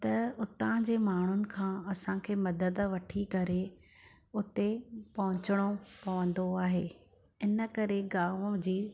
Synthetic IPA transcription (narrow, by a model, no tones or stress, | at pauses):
t̪ɐʊt̪ãd͡ʑeːmaːɳ̤ʊnɪ̆kʰãːɐsãkʰeːmɐd̪əd̪ʋɐʈʰikɐɾe | ʊt̪epɐɦʊ̃t͡ɕəɽ̃opɐʋə̃nd̪oaːɦeː | ɪnə̆kɐɾeɡaːmd͡ʑiː